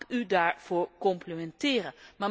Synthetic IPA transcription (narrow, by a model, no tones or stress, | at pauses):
kydaːɹv̥oːɹkɔmplimɛntɪːrəma